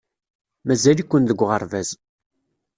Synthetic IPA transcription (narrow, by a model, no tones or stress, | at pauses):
mæzælikʷːənðəɡʷːʁəɾˤvæz